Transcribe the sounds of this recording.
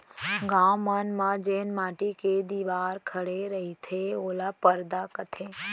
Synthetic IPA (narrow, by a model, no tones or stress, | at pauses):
ɡãːmənmãd͡ʒeːnmaːʈiked̪iːʋaːɾkʰɐɽeɾɐɦit̪ʰeoːlapəɾd̪akət̪ʰe